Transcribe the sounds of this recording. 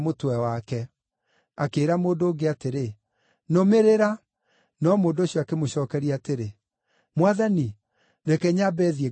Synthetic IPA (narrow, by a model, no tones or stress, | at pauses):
motwɛwakɛ | akeːɾamoːndoːɡeateɾe | nomeɾeɾa | nɔmoːndoɕjɔakemoɕɔːkɛɾiateɾe | mwaðani | ɾɛkɛɲabɛːðiɛ